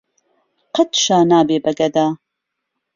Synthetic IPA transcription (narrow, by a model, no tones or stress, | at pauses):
qət̪ʃaːnaːbeːbɐɡɐd̪aː